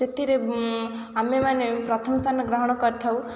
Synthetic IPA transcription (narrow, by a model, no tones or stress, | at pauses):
set̪ʰiɾe | amemanepɾɔt̪ʰɔmst̪ʰanɔɡɾaɦɔɽ̃ɔkɔɾt̪ʰaw